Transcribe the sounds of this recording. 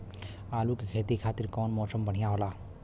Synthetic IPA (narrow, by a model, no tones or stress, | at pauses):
aːlukekʰeːt̪ikʰaːt̪ɪɾkɔːnmɔːsəmbəɽ̤ijaɦoːlaː